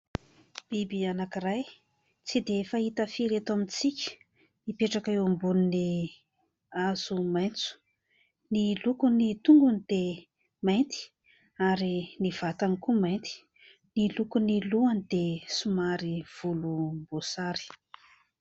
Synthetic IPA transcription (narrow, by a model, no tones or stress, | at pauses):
b̥ibianakiraj | t͡sid̪efait̪əfiɾet̪amit͡sikʲə̥ | nipeʈ͡ʂakaewambunini | az̥umajnt͡su̥ | nilukunit̪uŋɡunid̪̥e | majnt̪i̥ | aɾiniv̥at̪anikumajnt̪i̥ | nilukuniluanid̪esumaɾiv̥ulumbosaɾi̥